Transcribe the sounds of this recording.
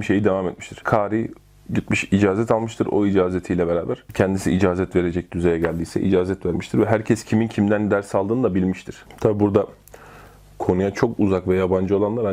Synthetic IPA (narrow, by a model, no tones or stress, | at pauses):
iʃe̞jid̪evaːmɛt̪̚miʃt̪ʰiɾ̥kʰaːɾi | ɟit̪̚myʃid͡ʒaːzɛt̪ʰalˠmɯʃt̪ʰɯ̰ɾo̞̰id͡ʒaːzet̪ʰiːlʲɛbeɾaːbæɾ̥cʰɛnd̪isḭʔid͡ʒaːzɛt̪ve̞ɾed͡ʒɛc̚d̪̥yze̞jɛɟælʲd̪iːsɛ̰ʔḭd͡ʒaːzɛt̪væɾmiʃt̪ʰiɾvɛɦæɾcʰɛscʰimincʰimd̪ænd̪æɾsalˠd̪ɯːnɯd̪abilʲmiʃt̪ʰiɾ̥t̪ʰabibuɾd̪a | kʰo̞nujat͡ʃʰo̞kuzakvɛjaband͡ʒɯo̞lˠanlˠaɾa